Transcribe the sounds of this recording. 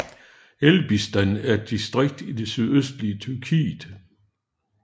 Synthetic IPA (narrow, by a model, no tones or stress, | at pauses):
elb̥isd̥ænæɐd̥isd̥ʁeɡ̥̚d̥id̥e̝syðˠøsd̥liət͡sʰyɐkʰḭːd̥